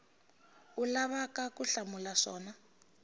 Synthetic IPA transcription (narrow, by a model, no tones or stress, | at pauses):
ulaβakakuɬamulaʂɔːna